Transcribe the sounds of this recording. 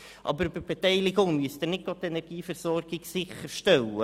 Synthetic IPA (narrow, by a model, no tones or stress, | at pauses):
ʔɑ̰bəɾbəb̥etɛɪlɪɡʊŋmyəsd̪ɪnɪt̚ɡ̥ot̪ɛnɛɾɡ̥iːfəɾsɔrɡ̥ɪɡsɪχəɾʃtɛlə